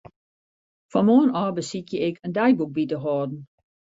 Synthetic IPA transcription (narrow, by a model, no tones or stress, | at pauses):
fɔnmoːənɔːbəsitjəɪkʰəndɛjbuk̚bitəɦɔːdn̩